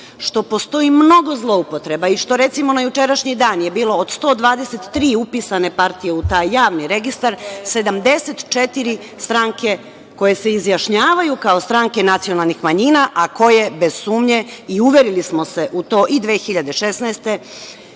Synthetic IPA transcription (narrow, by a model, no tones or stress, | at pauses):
ʃt̪o̞po̞st̪o̞imno̞ɡo̞zlˠo̞upot̪ɾe̞baiʃt̪o̞ɾe̞t̪simo̞najut͡ʃe̞ɾaʃɲid̪aːnje̞biːlo̞ːd̪st̪o̞ːd̪ʋaːd̪eset̪ːɾiːupiːsane̞paɾt̪ije̞ut̪aːjːaːʋniɾe̞ɡist̪aɾse̞d̪amd̪e̞set̪t͡ʃe̞t̪iɾi | st̪ɾaŋke̞ | ko̞je̞se̞izjaʃɲaːʋajukao̞st̪ɾaŋke̞nat̪sijo̞nalˠnixmaɲiːnaʔako̞je̞be̞z̥suːmɲe̞iuʋeɾilismo̞se̞ʔut̪o̞ːʔid̪ʋeːxiʎad̪e̞ʃe̞snaːst̪e̞